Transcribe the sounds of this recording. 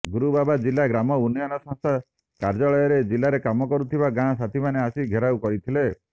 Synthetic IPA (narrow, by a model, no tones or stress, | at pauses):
ɡuɾubabad͡ʒilaɡɾamɔunijɔnɔsɔ̃ŋst̪ʰa | kaɾd͡ʒɔɭɔjɔɾed͡ʒilaɾekamɔkɔɾut̪ʰibaɡãsat̪ʰimaneasiɡʱeɾawkɔɾit̪ʰile